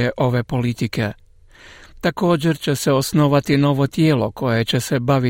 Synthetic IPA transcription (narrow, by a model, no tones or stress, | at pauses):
ɛʔɔʋɛːpɔlit̪ikɛ | t̪akoːd͡ʒɛɾt͡ʃɛsɛɔsnɔʋat̪inɔʋɔt̪jɛlɔkɔjɛt͡ʃɛsɛbaʋi